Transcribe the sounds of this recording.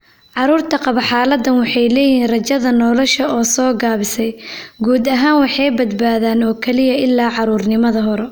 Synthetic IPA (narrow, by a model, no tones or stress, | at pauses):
ʕɑɾuːrt̪ʰɐqɑβɐħɑːlɐd̪ɐnwɑħɑjlɛːjɦiːnrɐt͡ʃɐðɐnɔlɔʃɐɔːsɔːɡaːβɪsɛjɡuːd̪ɐɦaːnwɑħɑjbɐd̪baːðaːnɔːkʰɛlɪjɐɪlːaːʕɑɾuːrnɪmɐðɐɦɔɾɛ